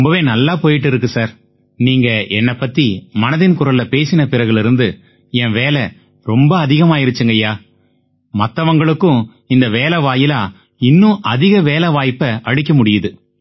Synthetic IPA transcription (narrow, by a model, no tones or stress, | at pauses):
ʊmbɐʋeːnɐlːaːpoːjɪʈ̬ːɪɾɯk̬ːɯsaːɾ | niːŋɡɐʔɛnːɐpːɐt̪ːimɐnɐðɪnkʊɾɐlːɐpeːsɪnɐpɪɾɐɣɯɭɪɾɯnd̪ɯ | ɛ̃ʋeːlɛ | ɾɔmbɐːðɪɣɐmaːɪɾɯt͡ʃːɯŋɡɐjaː | mɐt̪ːɐʋɐŋɡɐɭɯkːʊ̃ | ɪnd̪ɐʋeːlɛʋaːjɪlaː | ɪnːʊ̃ʔɐðɪɣɐʋeːlɛʋaːjpːɐʔɐɻɪk̬ʲːɐmʊɽɪjɐðɯ